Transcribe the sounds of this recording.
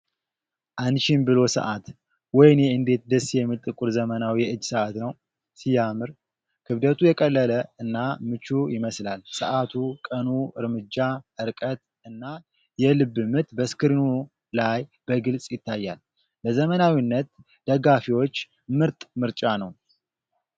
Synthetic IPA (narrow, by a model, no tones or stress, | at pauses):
ʔanʃinbɨlo̞sə̰ʔat̪ | wɔjɪnjɛɨnd̪e̞t̪̚d̪əsjɛmːit̪ʼɨkʼuɾzəmənawiʔɨd͡ʒːsəʔat̪nəw | sijamɨɾ | kʰɨβd̪ət̪ʰujɛkʼəlːələɨnːamɨt͡ʃːujɪməslalsəʔat̪ʰukʼənuɨɾmɨd͡ʒːaʔɨɾkʼət̪ | ɨnːa | jɛlɨbːɨmɨt̪bəskɨɾinu | lajb̥əɡɨlsʼjɪt̪ʰːajːal | bəzəmənawinːət̪ | d̪̥əɡafiwo̞t͡ʃː | mɨɾt̪ʼmɨɾt͡ʃʼanəw